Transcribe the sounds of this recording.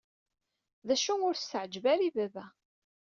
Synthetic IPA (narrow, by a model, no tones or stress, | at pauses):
ðæʃunʊɾst̪əʕəd͡ʒvæɾivævæ